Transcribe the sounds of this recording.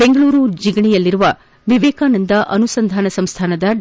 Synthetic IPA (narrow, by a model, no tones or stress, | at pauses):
beŋɡɐɭuːɾud͡ʒiɡɐɳijɐlːiɾuʋɐ | ʋiʋeːkaːnɐnd̪ɐʔɐnusɐnd̪ʱaːnɐsɐmst̪ʰaːnɐd̪ɐ